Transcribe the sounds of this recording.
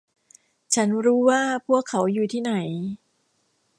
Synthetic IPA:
t͡ɕʰa˦˥nɾuː˦˥waː˥˩pʰu˥˩əkʰːa˩˦wjuː˨˩t̪ʰiː˥˩na˩˦j

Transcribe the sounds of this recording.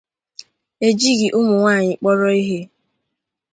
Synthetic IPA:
e˨d͡ʒi˦ɡɪ˨ʔʊ˦mʊ˨ŋʷaː˦˨ɲɪ˨k͡pɔ˦ɾɔ˦i˦ɦe˦

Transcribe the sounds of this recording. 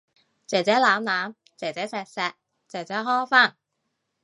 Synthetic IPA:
t͡sɛː˨˩t͡sɛː˨˥laː˨˥mlaː˨˥m | t͡sɛː˨˩t͡sɛː˨˥sɛː˨˧k̚sɛː˨˧k̚ | t͡sɛː˨˩t͡sɛː˨˥ɦɔː˥˩jfaː˥˩n

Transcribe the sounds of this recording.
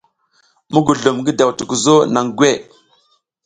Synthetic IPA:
mu˦ɡu˨ɮu˨mɡə˦da˨wtu˨ku˨zo˦na˨ŋɡwe˦˨

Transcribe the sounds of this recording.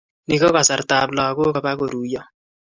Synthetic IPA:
ni˦ko˦ka˨sa˨ɾta˨blɔ˨kʊ˦ka˨ba˦ko˨ɾuː˨jɔ˦

